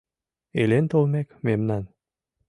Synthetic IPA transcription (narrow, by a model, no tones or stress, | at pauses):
elent̪olmekmemnan